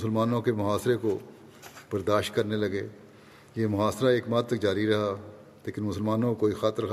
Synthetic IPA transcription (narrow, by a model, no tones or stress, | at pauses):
ʊsəlmaːnõkemʊɦaːsɾeko | b̥ɐɾd̪aːʃt̪̚kɐɾnelɐɡeː | jeːmʊɦaːsɾaeːkmaːt̪̚t̪ɐk̚d͡ʒaːɾiɾɐɦa | leːkɪnmʊsəlmaːnõkoːixaːt̪əɾ